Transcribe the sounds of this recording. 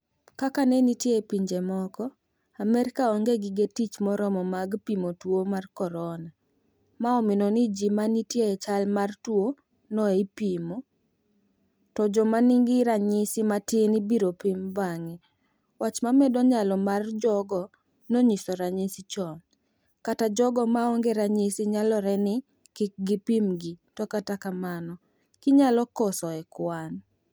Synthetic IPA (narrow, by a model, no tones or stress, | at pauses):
kakanenitjeepiɲd͡ʒemɔkɔ | amɛɾkaɔŋɡeɡɪɡetit͡ʃmɔɾɔmɔmaɡpimotwomarkɔɾɔna | maɔmɪnɔnid͡ʒimanitjeɛt͡ʃalmartwo | nɔeipimo | tɔd͡ʒɔmanɪŋɡɪɾaɲɪsɪmatɪnibiɾopimbaŋɛ | wat͡ʃmamɛdɔɲalɔmard͡ʒɔɡɔ | noɲisɔɾaɲɪsit͡ʃɔn | katad͡ʒɔɡɔmaɔŋɡɛɾaɲɪsɪɲalɔɾɛnɪ | kɪk̚ɡɪpimɡitɔkatakamanɔ | kɪɲalɔkɔsɔɛkwan